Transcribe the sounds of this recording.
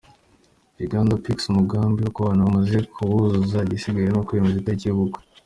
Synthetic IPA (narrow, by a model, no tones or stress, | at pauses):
ɾiɡaːndopiksumuɡaːmbijukoβaːnaβamaze̞kʰuβuzuzaɟisiɡaɾenokujemuzitaiciβuɡo̥